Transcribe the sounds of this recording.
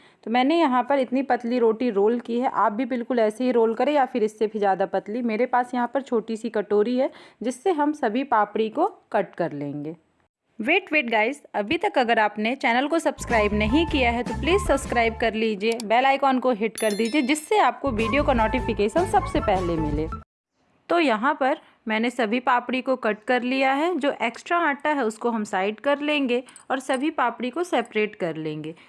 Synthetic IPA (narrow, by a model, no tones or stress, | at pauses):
t̪omɛ̃ːnejɐɦãpɐɾɪt̪nipɐt̪liɾoːʈiɾoːlkiɦɛʔaːp̚bʱibɪlkʊlɛːseɦiɾoːlkɐɾẽjafɪɾɪsːebʱizjaːd̪apɐt̪limeːɾepaːsjɐɦãpɐɾt͡ʃʰoːʈisikɐʈoːɾiɦɛd͡ʒɪsːeɦɐmsɐbʱipaːpɽikokɐʈ̚kɐɾlẽːŋɡeː | ʋeːʈʋeːʈɡaːɪzɐbʱit̪ɐkɐɡəɾaːpnet͡ʃɛːnəlkosɐbskɾaːɪbnɐɦĩkijaɦɛt̪opliːzsɐbskɾaːɪb̚kɐɾliːd͡ʒieːbɛːlaːɪkɔːnkoɦɪʈkɐɾd̪iːd͡ʒied͡ʒɪsːeaːp̚koʋiːɖijokanoːʈifɪkeːʃə̃nsɐbsepɛɦlemɪleː | t̪oːjɐɦãpɐɾ | mɛ̃ːnesɐbʱipaːpɽikokɐʈ̚kɐɾlijaɦɛd͡ʒoːʔeːksʈɾaaːʈaɦɛʊskoɦɐmsaːɪʈkɐɾlẽːŋɡeɔːɾsɐbʱipaːpɽikosɛːpɾeːʈkɐɾlẽːŋɡeː